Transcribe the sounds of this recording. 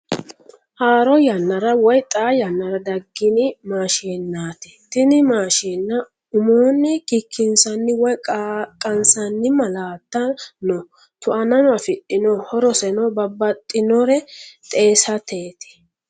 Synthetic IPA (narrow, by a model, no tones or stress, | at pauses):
haːɾɔjɐnːɐɾɐwɔjt̪ʼaːjɐnːɐɾɐd̪ɐɡːɪnɪmaːʃiːnːaːt̪ɛ̥t̪ɪnɪmaːʃiːnːɐ | ʊmoːnːɪkikʰːɪnsɐnːɪwɔjʼkʼːɐnsɐnːɪmɐlaːt̪ːɐnɔ | t̪ʊʔɐnɐnɔɐfɪt̪ʼːɪnɔhɔɾɔsɛnɔbɐbːɐt̪ʼːɪnɔɾɛt̪ʼe̞ːsɐt̪ʰeːt̪ɪ̥